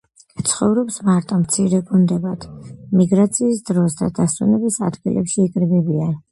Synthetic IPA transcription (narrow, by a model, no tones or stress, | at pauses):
t̪sʰχɔvɾɔpsmaɾt̪ʼɔmt̪sʰiɾɛɡund̪ɛbad̪̥miɡɾat̪sʰiːsd̪ɾɔsd̪a̰d̪asṵnɛbisa̰d̪ɡilʔɛ̰pʃiːkʼɾbɛbian